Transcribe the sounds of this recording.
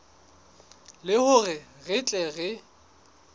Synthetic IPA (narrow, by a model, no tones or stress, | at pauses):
lɪhʊrɪɣɪt͡ɬʼɛɣɛ